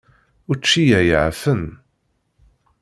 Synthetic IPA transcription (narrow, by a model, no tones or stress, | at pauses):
ʊɾt͡ʃːijæjəʕfən